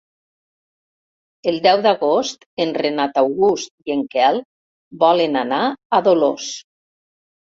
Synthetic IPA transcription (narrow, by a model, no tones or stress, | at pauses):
elˠd̪ɛwd̪aɣost̪enrenat̪awɣust̪̚ieŋkɛlˠ | bɔlenanaaðolo̰s